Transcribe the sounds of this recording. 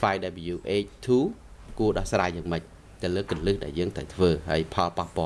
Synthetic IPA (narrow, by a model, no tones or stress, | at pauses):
faɛjɗaɛpijuːʔeːc̚t̪ʰuːkuəɗɑhsraːjːaːŋməc̚ | t̪ɨwləːkrənlɨhɗa̰ɛljəːŋt̪rəwt̪ʰʋəːɦa̰əjpʰɑlpahpŏəl